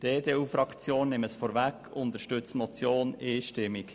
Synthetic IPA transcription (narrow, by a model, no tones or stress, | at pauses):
d̥eːd̥eːuːfɾɑkt͡sjoːnːɪməsfɔːɾvækːʊnt̪əɾʃtʏt͡smɔt͡sjoːneːʃtɪmik